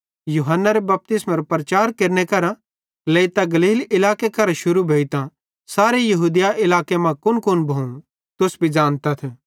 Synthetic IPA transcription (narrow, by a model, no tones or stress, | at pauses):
juɦənːaɾebɐp̚t̪ɪsmaɾopɾɐt͡ʃaːɾkɐɾnekɐɾã | leit̪aɡɐliːlɪlaːkekɐɾãʃʊɾubʱeːit̪ã | saːɾejɐɦuːd̪ɪjaʔɪlaːkemãkʊnkʊnbʱoũ | t̪ʊsbʱid͡ʒãːnt̪at̪ʰe